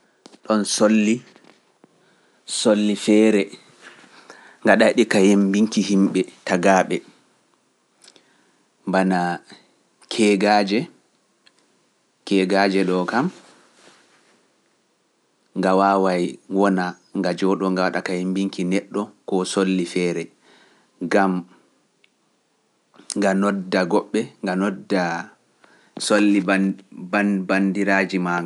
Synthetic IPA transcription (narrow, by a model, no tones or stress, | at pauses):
ɗɔnsolːi | solːifɛːɾɛ | ŋɡaɗajɗikajembiŋkiɦimɓɛtaɡaːɓɛ | mbana | kʰɛɡaːd͡ʒɛ | kɛɡad͡ʒɛɗɔkam | ŋɡawaːwajwɔna | ŋɡad͡ʒɔɗɔŋɡawaɗakahimbiŋkinɛɗːɔkɔsolːifɛːɾɛ | ŋɡam | ŋɡanɔdːaɡɔɓːɛŋɡanɔdːa | solːibabandiɾaːd͡ʒimaŋɡa